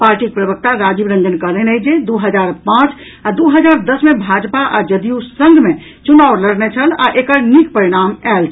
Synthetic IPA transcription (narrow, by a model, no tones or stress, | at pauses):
paɾʈik̚pɾəbək̚t̪aɾad͡ʒibɾə̃nd͡ʒənkəɦlɦnəjd͡ʒed̪uɦəd͡ʒaɾpãt͡ʃ | ad̪uɦəd͡ʒaɾd̪əsmebʱad͡ʒpaʔad͡ʒəd̪ijusə̃ŋɡʱme | t͡ʃunawɾləɽnet͡ʃʰəla̰ʔekəɾnikpəɾiɽ̃amɛlt͡ʃʰ